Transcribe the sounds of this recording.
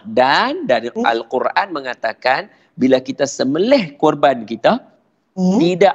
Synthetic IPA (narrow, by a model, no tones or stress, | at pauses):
dandaɾia̰lkurʔanməŋat̪akan | bilakit̪asəməlɛhkurbankit̪a | t̪ida